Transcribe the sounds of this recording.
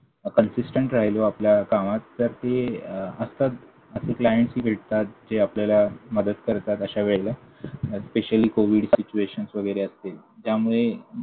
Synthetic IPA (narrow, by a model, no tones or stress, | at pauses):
kənsisʈəɳʈɾaɦiloapljakamat̪ːəɾt̪eəst̪at̪ | əseklajəɳʈsɦiːbʱeʈt̪at̪̚d͡ʑeapljalaməd̪əd̪kəɾt̪at̪əɕaʋeɭelə | speɕəliːkoʋiɖsit͡ɕueɕənsʋəɡəjɾeəst̪eld͡ʑjamuɭe